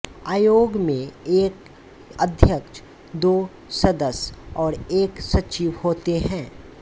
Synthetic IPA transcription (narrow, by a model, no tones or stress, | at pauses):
aːjoːɡmẽeːk | əd̪ʱjəkʃ | d̪oː | sɐd̪əsɔːɾeːksɐt͡ʃiʋhoːt̪eɦɛ̃ː